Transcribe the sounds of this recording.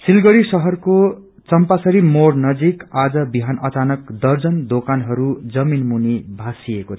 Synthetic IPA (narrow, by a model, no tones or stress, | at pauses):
silɡʌɾisʌɦʌrko | t͡sʌmpasʌɾimornʌd͡zikad͡zʌbiɦanʌt͡sanʌkd̪ʌrd͡zʌnd̪okanɦʌɾud͡zʌminmunibʱasiekot͡sʰ